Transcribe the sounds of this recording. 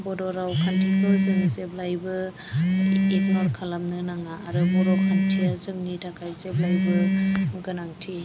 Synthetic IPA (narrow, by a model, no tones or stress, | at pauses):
bɔdɔɾawkʰantʰikɯzɯŋzeblajbɯ | ek̚nɔɾkʰalamnɯnaŋaːɾɯbɔɾɔkʰantʰijazɯŋnidʰakʰajzeb̚lajbɯɡɯnaŋtʰi